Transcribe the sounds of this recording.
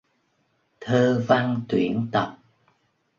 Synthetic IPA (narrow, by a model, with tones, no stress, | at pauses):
t̪ʰəː˧va˧ŋt̪wḭ˧˩˦ənt̪ə˨˩p̚